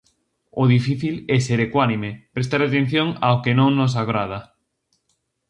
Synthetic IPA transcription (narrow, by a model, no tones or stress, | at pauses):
ʊðifiθilɛseɾekwanimepɾest̪aɾat̪ẽn̟θjoŋaokenõŋnos̬aɣɾað̞a